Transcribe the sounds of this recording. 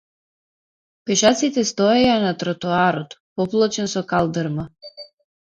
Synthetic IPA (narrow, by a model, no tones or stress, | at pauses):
pɛʃat̪sit̪ɛst̪ɔɛanat̪ɾɔt̪uaɾɔt̪pɔplˠɔt͡ʃɛnsɔkalˠd̪ɛɾma